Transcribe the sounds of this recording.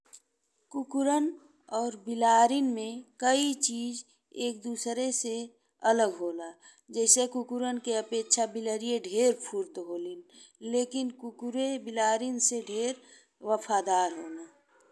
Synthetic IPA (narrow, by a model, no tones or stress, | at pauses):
kukʊɾən | ɔːɾbɪlaːɾinmẽkəit͡ʃiːd͡ʒ | eːk̚d̪uːsɾese | ələɡɦoːlaː | d͡ʒɛːsekukʊɾənkeəpeːtʃʰabɪləɾijeɖʱeːɾpʰuɾt̪ɦoːlin | leːkɪnkukuɾebɪlaːɾinseɖʱeːɾ | ʋəfʰaːd̪aːɾɦoːnaː